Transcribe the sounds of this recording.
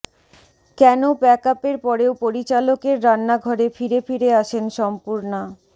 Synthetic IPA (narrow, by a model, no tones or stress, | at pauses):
kɛnobɛkapeɾpɔɾeopoɾit͡ɕalokeɾːanːaɡʱɔɾefiɾefiɾeaʃenʃɔmpuɾna